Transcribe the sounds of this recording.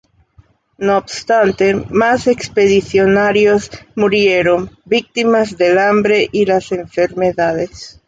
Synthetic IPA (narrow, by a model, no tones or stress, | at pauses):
nobst̪ant̪emasekspeðiθjonaɾjozmuɾjeɾombik̚t̪imazðelambɾeʔilaseɱfeɾmeðaðes